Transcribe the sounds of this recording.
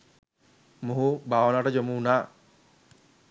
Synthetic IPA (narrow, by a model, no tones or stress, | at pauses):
muɦubaːʋənaːʈəd͡ʒomuunaː